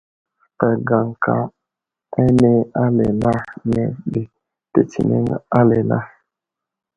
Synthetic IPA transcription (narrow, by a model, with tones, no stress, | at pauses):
pɛ˨ɡa˨ŋ̩˨ka˨ | e˦ne˦a˦le˨na˦ne˨be˨ | te˨t͡ʃi˨nḛ˦ŋ˦a˦le˨na˦